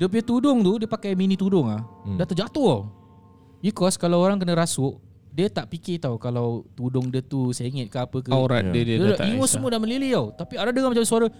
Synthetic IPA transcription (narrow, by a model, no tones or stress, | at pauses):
dəp̬iət̪udʊŋt̪udiəpakajminĩt̪udʊŋlahdat̪ərd͡ʒat̪uaw | bikɔskalawoɾaŋk̬ənə̃ɾasʊʔ | diət̪aʔpikɪt̪auwkalawt̪udʊŋdiət̪useŋɛt̪̚kaapəkəɾat̚diddaʔimosəmuədanmənliliawt̪apiaɾadəŋamad͡ʒamsuaɾə